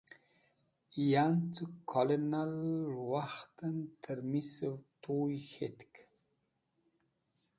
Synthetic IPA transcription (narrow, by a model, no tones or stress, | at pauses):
jant͡s̪ukʰɔlenalwaxt̪ənt̪ʰəɾmisəvt̪ʰujxet̪k